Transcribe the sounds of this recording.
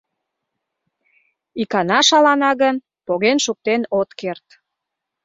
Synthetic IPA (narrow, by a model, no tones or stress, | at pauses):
ikɑnɑʃɑlɑnɑɣən | poɣenʃuk̚t̪enot̪kert̪